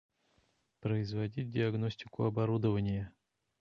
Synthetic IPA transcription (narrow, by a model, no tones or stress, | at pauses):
pɾəɪzvɐdʲit̚ʲdʲɪɐɡnosʲtʲɪkʊɐbɐɾud̪əvənʲɪjə